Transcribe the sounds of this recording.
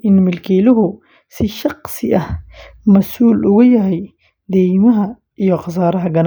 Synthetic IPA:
ʔɪnmɪlkʰiːlʊɦʊ | sɪʃɑqsɪʔɐhmɐsuːlʊɣɐjɐɦɛj | d̪ɛjmɐɦɐ | ʔijɔqɑs̬aːɾɐɦɐɡɐn

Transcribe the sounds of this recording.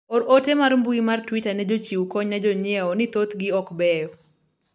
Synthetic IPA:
ɔɾotɛmarmbuimartwitanɛd͡ʒot͡ʃiwkɔɲnad͡ʒoɲjɛɔnɪt̪ot̪ɡɪɔkbɛjɔ

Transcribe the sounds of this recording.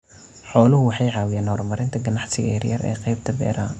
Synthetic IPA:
ħɔːlʊɦʊwɑħɑjʕɑːwɪjaːnhɔːrmɐɾɪnt̪ʰɐɡɐnɑħsɪɣɐ̰jɐrjɐrɛ̰ːqɑjb̚t̪ʰɐbɛ̰ːɾa

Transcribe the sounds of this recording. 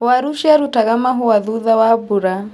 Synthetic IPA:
waɾuʃaɾutaɣamaɦuwaðuðawabuɾa

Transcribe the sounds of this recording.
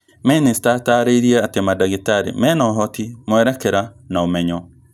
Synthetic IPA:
ministataɾeiɾiɛatemadaɣetaɾḛmɛːnɔɦɔtimwɛɾɛkɛɾanaomɛɲɔ

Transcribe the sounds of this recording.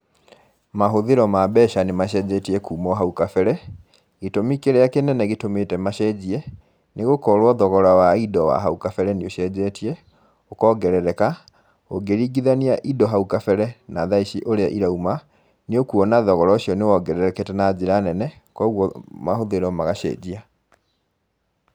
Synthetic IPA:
maɦoðeɾɔmabɛʃanemaɕɛd͡ʑɛtiɛkuːmɔɦaukafɛɾɛ | ɣetomikeɾɛjakenɛnɛɣetometɛmaʃɛd͡ʑiɛ | neɣokɔɾwɔðɔɣɔɾawaidɔwa̰ɦaukafɛɾɛneoɕɛːd͡ʑɛtiɛ | okɔːɡɛɾɛɾɛka | oɡeɾiɡiðaniaʔidɔɦaukafɛɾɛnaðaiɕiʔoɾeaʔiɾauma | neokuɔnaðɔɣɔɾɔɕiɔnewɔɡɛɾɛɾɛketɛnad͡ʑeɾanɛnɛ | kɔɣwɔmahoðeɾɔmaɣaɕɛ̰d͡ʑia

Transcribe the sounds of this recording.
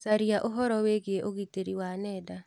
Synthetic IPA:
saɾiaʔoɦɔɾɔweɣieʔoɣiteɾiwanɛːda

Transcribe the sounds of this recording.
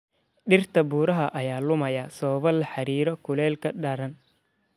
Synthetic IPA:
ɗɪrt̪ʰɐbuːɾɐɦɐʔɐjaːlʊmɐjɐsɔːβɐlɐħɑɾiːɾɔkʰʊlɛːlkʰɐɗɐɾɐn

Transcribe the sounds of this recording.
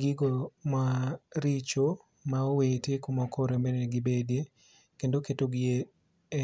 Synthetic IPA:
ɡɪɡomaɾit͡ʃo | maowetekomɔkʰoɾemeneɡibede | kendoketoɡie

